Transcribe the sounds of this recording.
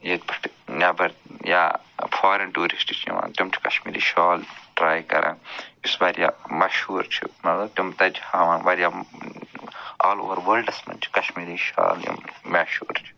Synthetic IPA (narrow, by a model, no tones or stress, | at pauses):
jet̪̚ʲbʰɐʈnʲɐbɐɾja̰ː | fʰaːɾenʈuːɾisʈit͡ʃʰḭʋã̰ːnt̪umt͡ʃʰi̥kɐʃmiːɾḭːʃaːlʈɾaːjkɐ̰ɾʔã̰ːnisbaːɾjaːmɐʃhuːɾt͡ʃʰḭmɐt̪lɐb̚t̪umt̪ɐd͡ʒhaːʋaːnʋɐɾjaː | aːlo̰ːʋɐɾʋəːlɖɐsmɐ̰nt͡ʃʰi̥kɐʃmiːɾiːʃa̰ːljḭmɐʃuːɾt͡ʃʰi̥